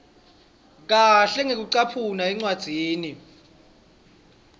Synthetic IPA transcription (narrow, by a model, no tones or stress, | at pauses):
k̬aɬɛŋek̬uǀapʰunaɛŋ͡ǀwad̥z̥ʱiːni